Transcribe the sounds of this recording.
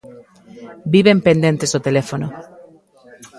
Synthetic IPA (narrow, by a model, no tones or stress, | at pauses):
biβempend̪ent̪esot̪elefono